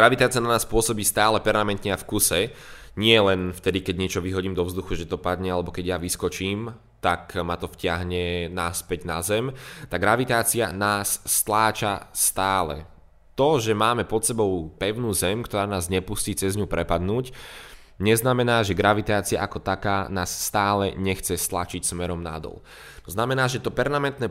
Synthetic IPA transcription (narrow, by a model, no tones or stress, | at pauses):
ɡɾaʋit̪aːt͡siananaːspʊɔsɔbiːst̪aːlɛpɛɾmamɛnt̪ɲɛafkusɛ | ɲɪɛlɛnft̪ɛd̪ikɛɟɲɪɛt͡ʃɔʋiɦɔɟiːmd̪ɔvzd̪uxuʒɛt̪ɔpad̪ɲɛalɛbɔkɛɟjaʋiskɔt͡ʃiːm | t̪akmat̪ɔfcɪaɦɲɛnaspɛɟna̰zɛmt̪aɡɾaʋit̪aːt͡sianaːsːt̪laːt͡ʃast̪aːlɛ̰ | t̪ɔʒɛmaːmɛpɔt̪sɛbɔʊpɛʊnuːzɛmkt̪ɔɾaːnaːzɲɛpusciːt͡sɛzɲupɾɛpad̪nuːc | ɲɛznamɛnaːʒɛɡɾaʋit̪aːt͡sia̰ʔakɔt̪akaːnaːsːt̪aːlɛ̰ɲɛxt͡sɛst̪lat͡ʃicsmɛɾɔmna̰d̪ɔ̰l | t̪ɔznamɛnaːʒɛt̪ɔpɛɾmamɛnt̪nɛ